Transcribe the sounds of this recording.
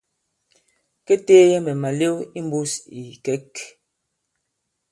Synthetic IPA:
kɛ˦teː˦jɛ˦mɛ˨ma˨le˦wi˦m˦bu˦si˨kɛ˦k

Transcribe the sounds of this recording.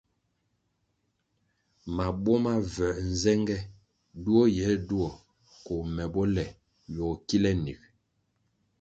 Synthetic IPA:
ma˨bɔ˦ma˦vɛ˨n̩˨zɛ˦ŋɡɛ˦ | du˦ɔ˦jɛ˨˦du˦ɔ˨ | ko˨mɛ˨bɔ˦lɛ˨ | jɔ˨ki˦lɛ˦nḭ˨k̚

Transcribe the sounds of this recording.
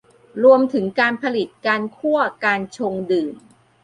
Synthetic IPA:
ɾu˧əmt̪ʰɯ˩˦ŋkaː˧npʰa˧li˨˩t̪̚kaː˧nkʰu˥˩əkaː˧nt͡ɕʰo˧ŋdɯː˨˩m

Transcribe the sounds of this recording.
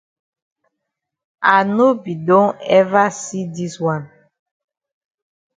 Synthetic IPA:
a˨no˦bi˨dɔ̃˦ɛ˦va˦si˦di˦swa˦˨n

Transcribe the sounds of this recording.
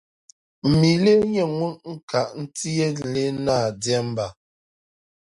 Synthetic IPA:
m̩˨mi˨le˦ɲe˨ŋwu˦nŋ̩˦˨ka˨ʔn̩˦ti˦e˦˨le˦na˦˨djɛ˦m̩˦ba˨

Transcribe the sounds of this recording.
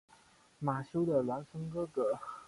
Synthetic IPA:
ma˨˩ɕjo˥ʊd̪ə˨lwa˧˥nʂə˧˥ŋkɤ˥kɤ˧˩˦

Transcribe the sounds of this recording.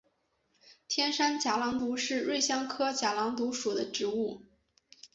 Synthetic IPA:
t̪ʰjɛ˥nʂa˥nt͡ɕja˧˥lɑ˧˥ŋt̪u˧˥ʂɻ̩˥˧ɻwe˥˩ɪɕjɑ˥ŋkʰɤ˥t͡ɕja˧˥lɑ˧˥ŋt̪u˧˥ʂu˨˩d̪ə˦ʈ͡ʂɻ̩˧˥u˥˩

